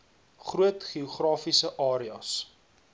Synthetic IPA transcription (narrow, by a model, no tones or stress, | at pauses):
χruətχioχrɑːfisəʔɑːɾiɐs